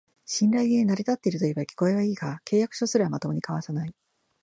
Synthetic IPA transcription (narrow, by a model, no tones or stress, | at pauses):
ɕĩnɾaienaɾʲit̪at̪ːe̞iɾɯ̟t̪o̞ibakʲi̥ko̞e̞βaiːkakʰe̞ːjakɯ̥ɕo̞sɨɾɯ̟βamat̪o̞mo̞ɲ̟ikaβasanai